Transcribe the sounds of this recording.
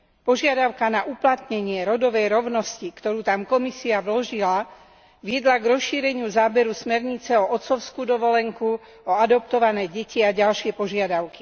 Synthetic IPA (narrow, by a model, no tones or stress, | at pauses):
pɔʒɪad̪aʊkanaʔuplat̪ɲɛɲɪɛɾɔd̪ɔʋɛjɾɔʊnɔscikt̪ɔɾuːt̪amkɔmisiaʋlɔʒila | ʋɪɛd̪laɡɾɔsʃiːɾɛɲɪuzaːbɛɾusmɛɾɲit͡sɛɔʔɔt̪t͡sɔʊskuːd̪ɔʋɔlɛŋku | ɔad̪ɔp̚t̪ɔʋanɛːɟɛciaɟalʃɪɛpɔʒɪad̪aʊki̥